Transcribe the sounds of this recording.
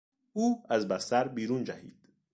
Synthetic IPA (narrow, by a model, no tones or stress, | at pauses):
uːæzbæst̪æɾbiːɾuːnd͡ʒæhḭːd̪̥